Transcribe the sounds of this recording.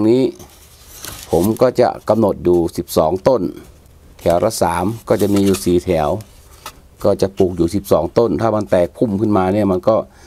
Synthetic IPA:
ŋniː˦˧˥ | pʰo˨˦mkɔː˧˩t͡ɕa̰˧˩ʔka˧mno˨˧˩t̪̚juː˨˩si˨˧˦p̚sɔː˩˦ŋt̪o˧˥˨n | t̪ʰɛː˨˩˦wɾa˧saː˨˦mkɔː˧˩t͡ɕa˧˨miː˧juː˧˩siː˨˩t̪ʰɛː˩˦w | kɔː˧˩t͡ɕa˧˩ʔpu˧˩k̚juː˨˩si˧˦p̚sɔː˨˦ŋt̪o˧˥˨nt̪ʰaː˧˩ma˧˥nt̪ɛː˨˩k̚pʰu˧˩˨mkʰɯ˧˩˨nmaː˧ni˧˩ma˧˥˨nkɔː˧˩

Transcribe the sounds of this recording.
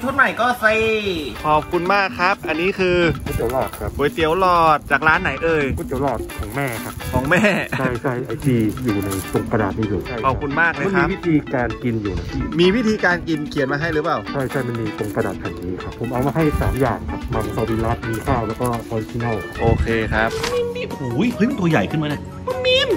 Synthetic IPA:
t̪ʰo˥˩t̪̚ma˨˩jkɔː˥˩si˧˩kʰɔː˨˩p̚kʰu˧nmaː˥˩kʰːɾa˦˥p̚ʔa˧nːiː˦˥kʰɯː˧kʰuː˧˩t̪i˩˦wlɔː˧˩t̪̚kʰa˦˥p̚boː˨˩˦jt̪i˨˩˦əwlɔː˧˩t̪̚t͡ɕaː˨˩k̚ɾaː˦˥nːa˩˦jʔɤː˧juː˧˥˩t̪i˩˦wlɔː˧˩t̪̚kʰɔː˩˦ŋmɛː˥˩kʰa˦˥p̚kʰɔː˩˦ŋmɛː˥˩a˩˥˩jt͡ɕʰa˥˩jʔa˧jt̪iː˧˩juː˨˩na˧jt̪o˧ŋka˧naː˨˩t̪̚iː˥˩suː˨˩t͡ɕʰa˥˩jʰɔː˨˩kʰu˧nmaː˥˩k̚lɤ˧˦˥mi˦˥˧wi˦˥˩t̪ʰiː˧kaː˧nki˧njuː˨˩na˨˧˩i˧˩miː˧wi˦˥˩t̪ʰiː˧kaː˧nki˧nkʰi˨˩˦nmaː˧ɦa˥˩jɾɯː˨˦˥paː˨˩wt͡ɕʰa˥˩jt͡ɕʰa˥˩jma˧˥˩nmiː˧t̪o˧ŋka˧naː˨˩t̪̚hɛ˨˩ŋniː˦˥kʰa˦˥pʰːo˩˦mʔa˧wmaː˧ɦa˥˩jsa̰ː˩˦mjaː˨˩ŋkʰa˦˥p̚maː˧˩nsɔː˧˩diː˧lɔ˦˥˩t̪̚miː˧kʰaː˥˩wlɛː˦˥wkɔː˥˩ʔɔː˧ɾi˦˧t͡ɕi˧na˥˩wʔoː˧kʰeː˧kʰɾa˦˥p̚i˧˥miː˥˩hu˨˩˦jɤ˧˦˥jmi˧nt̪u˧ɐ˧ja˨˩jkʰɯ˥˩nmaː˧na˧˥˩mi˧˥m

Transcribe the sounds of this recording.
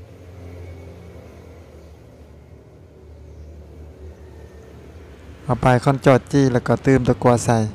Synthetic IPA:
ʔa˧˩wpaː˨˩jkʰɔ˧˥˨nt͡ɕɔː˧˩t̪̚t͡ɕiː˧˩˨lɛ˧˩wkɔː˧˩t̪ɯː˧˥˨mt̪ɔ˧˩ku˧a˧sa˧˩˨j

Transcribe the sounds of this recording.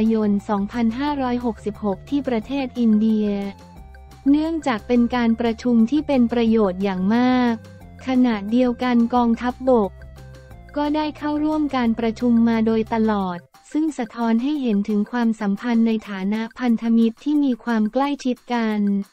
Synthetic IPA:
jo˧nsɔː˩˦ŋpʰa˧nɦaː˥˩ɾɔː˦˥jɦo˨˩k̚si˨˩p̚ho˨˩k̚t̪ʰiː˥˩pɾa˧t̪ʰeː˥˩t̪̚ʔi˧ndi˧ɐ | nɯ˥˩əŋt͡ɕaː˨˩k̚pe˧nkaː˧npɾa˧t͡ɕʰu˧mt̪ʰiː˥˩pe˧npɾa˧joː˨˩t̪̚jaː˨˩ŋmaː˥˩k̚ʰː | a˧na˨˩ʔ̪̚di˧əwka˧nkɔː˧ŋt̪ʰa˦˥p̚bo˨˩k̚ | kɔː˥˩daː˥˩jkʰa˥˩wɾu˥˩əmkaː˧npɾa˧t͡ɕʰu˧mːaː˧doː˧jt̪a˧lɔː˨˩t̪̚ | sɯ˥˩ŋsa˧t̪ʰɔː˦˥nɦa˥˩jɦe˩˦nt̪ʰɯ˩˦ŋkʰwaː˧msa˩˦mpʰa˧nːa˧jt̪ʰaː˩˦na˦˥ʔpʰa˧nt̪ʰa˧mi˦˥t̪ʰːiː˥˩miː˧kʰwaː˧mkla˥˩jt͡ɕʰi˦˥t̪̚ka˧n

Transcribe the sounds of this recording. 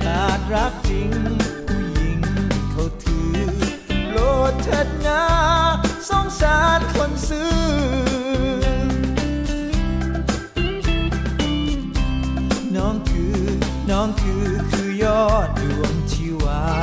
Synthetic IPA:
laː˨˩t̪̚ɾa˦˥k̚t͡ɕi˧ŋ˧ | ji˧˩ŋkʰa˧˩t̪ʰɯː˧˩ | lo˧˦˩t̚t͡ɕʰa˧˥t̪̚naː˦ | sɔ˧˥ŋsaː˨˦nkʰo˧˥nsɯː˧˥ | nɔː˧˥ŋt̪ʰɯː˨ | nɔː˧˥ŋt̪ʰɯː˨˧˦kʰɯː˧˩jɔː˥˩t̪̚lu˨˩əŋt͡ɕʰi˧waː˧˦

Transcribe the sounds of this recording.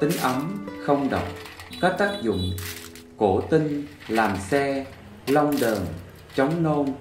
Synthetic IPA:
t̪ï˨˦ŋ̟ʔə˨˦mxə˧wŋ͡mɗə̰˨˩wk͡p̚ka˦˥k̚t̪aː˦˥k̚zʊ̰˧˨ŋ͡m | ko˧˩t̪ï˧ŋ | laː˨˩msɛ˧ | lə˧wŋ͡mɗəː˨˩n | t͡ɕɔ˨˦wŋ͡mno˧n

